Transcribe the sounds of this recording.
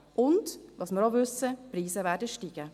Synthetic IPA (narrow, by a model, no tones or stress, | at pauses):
ʔʊntʋɑːsməɾoʋʏsəpɾiːsəvæːdəʃtiːɡ̥ə